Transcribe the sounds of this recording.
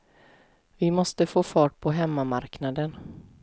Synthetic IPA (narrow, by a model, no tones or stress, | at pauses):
vɪmɔst̪əfoːfɑːʈ̚pʰɔɦɛmːamaɾknad̪ən